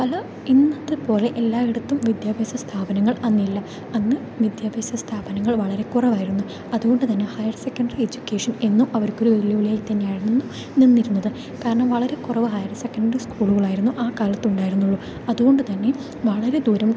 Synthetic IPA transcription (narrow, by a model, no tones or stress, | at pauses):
pɐlɐ | inːɐðɨpo̞ːle̞ʔelːaːʋiɽɐt̪ːumʋid̪jaːbʱeːsɐst̪ʰaːbɐnɐŋːɐɭɐnːilːɐ | ɐnːɨ | ʋid̪jaːbʱeːsɐst̪ʰaːbɐnɐŋːɐɭʋɐɭɐɾe̞kurɐʋaːjiɾunːu | ɐðuɣo̞ɳɖɨt̪ɐnːe̞hɐjɐrsekːɐɳɖɐrie̞d͡ʑukʲːeːʂɐne̞nːumʔɐʋɐɾkːo̞ɾuʋelijɐʋɐɭijaːit̪ɐnːejaːjiɾunenːu | ninːiɾunːɐðɨ | kaːɾɐɳɐmʋɐɭɐɾe̞kurɐʋɨɦɐjɐrse̞kːɐɳɖɐriskuːɭuɣɐɭaːjiɾunːuʔaːkaːlɐt̪ːuɳɖaːjiɾunːuɭːu | ɐðuɣo̞ɳɖɨt̪ɐnːe̞ | ʋɐɭɐɾe̞d̪uːɾɐm